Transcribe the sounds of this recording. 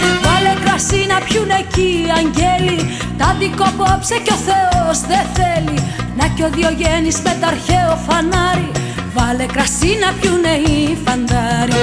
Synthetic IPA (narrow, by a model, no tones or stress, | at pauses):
vɐle̞kɾɐsinɐpçune̞ciɐɲɟeli | t̪ɐd̪iko̞popseco̞θe̞ozðeθe̞li | nɐco̞ðio̞ʝenizmet̪ɐɾçe̞ofɐnɐɾi | vɐle̞kɾɐsinɐpçuneifɐnd̪ɐɾi